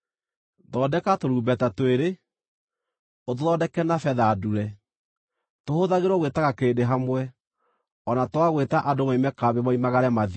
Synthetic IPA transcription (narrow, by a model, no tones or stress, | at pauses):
ðɔdɛkatoɾuːbɛtatweɾe | otoðɔdɛkɛnafɛðaːduɾɛ | tohoðaɣeɾwɔɣwetaɣakendeɦamwɛ | ɔnatwaɣwetaʔadomaimɛkaβemaimaɣaɾɛmaði